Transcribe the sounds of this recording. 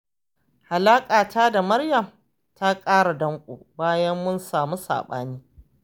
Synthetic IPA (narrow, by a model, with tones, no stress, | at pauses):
ha˨laː˦kʼaː˨tʰaː˦da˨mɐ˦rjɐ˨m | tʰa˦kʼaː˦ɽa˨dɐ˦ŋkʷʼo̰ː˨baː˦jɐ˦mːʊ˦nsaː˨mu˦sa̰ː˨ɓa̰ː˦niː˦